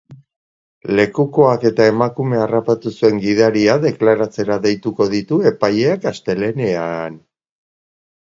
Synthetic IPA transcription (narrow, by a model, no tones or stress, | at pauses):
le̞kuko̞ake̞t̪ae̞makume̞arapat̪usue̞ŋɡiðaɾiaðe̞klaɾat͡se̞ɾaðe̞jt̪uko̞ðit̪ue̞paje̞akast̪e̞le̞ne̞an